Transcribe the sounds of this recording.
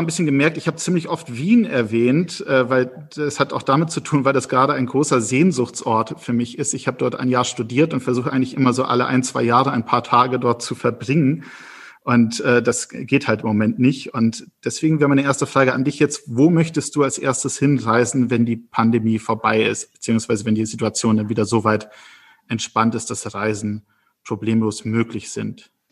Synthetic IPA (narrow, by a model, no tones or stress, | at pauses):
anbɪsçənɡəmɛɐk̚tɪçhaːbət͡siːmlɪçʔɔftv̥iːnɛɐvɛːntʔɛːvaɪl | ɛshataʊxd̥amɪt̚t͡sutʰuːnvaɪldasɡ̥əʁaːɾəaɪnɡʁoːsɐzeːnzʊxt͡sʔɔɐtfyːɐmɪçɪstɪçhaːbədɔɐtʔa̰ɪnjaːɐʃtudiːɐtʊntfɛɐzuːxəʔaɪŋ̩tlɪçʔɪmɐzoːʔa̰ləʔa̰ɪnt͡sv̥a̰ɪjaːʁəaɪnpʰaːɐtʰaːɡədɔɐt̚t͡sufɛɐbʁɪŋən | ʔʊntʔɛːdasɡ̥eːthaltɪmːomɛntnɪçtʊntd̥ɛsv̥eːɡŋ̩vɛːʁmaɪnəʔeːɐstəfʁ̥aːɡəandɪçjɛt͡stvoːmœçtəst̚d̥uːalsʔḛːɐstəshɪnʁaɪzn̩vɛndiːpʰandemiːfoɐbaɪɪst̚b̥ə̥t͡siːʊŋsv̥aɪzəvɛndiːzituat͡sjoːndanviːdɐzoːvaɪt | ʔɛntʃpantɪst̚d̥asʁaɪzn̩ | pʁ̥obleːmloːsmøːklɪçz̥ɪnt